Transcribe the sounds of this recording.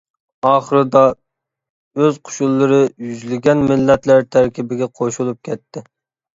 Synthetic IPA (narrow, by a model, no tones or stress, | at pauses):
ɑːχəɾɨd̪ɑ | øzqʰʊ̥ʃulˠːɨɾɨjyzlɪɡʲɛnmɪlːɛt̪læɾt̪ʰæɾkʲʰibɪɡʲɛqʰoʃulˠup̚kʲʰɛt̪ʰːɪ